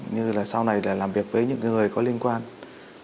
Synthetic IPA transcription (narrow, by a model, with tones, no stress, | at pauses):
ɲɨ˧laː˨˩sa˧wna˨˩jlaː˨˩laː˨˩mvi˨˩ək̚vəː˨˦jɲɨ̰˧˥ŋ˧ŋɨ˨˩əjkɔ˨˦li˧ənkwaː˧n